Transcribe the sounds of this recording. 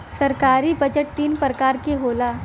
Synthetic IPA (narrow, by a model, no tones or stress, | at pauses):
sɐɾkaːɾibɐd͡ʒəʈ̚t̪iːnpɾəkaːɾkeɦoːlaː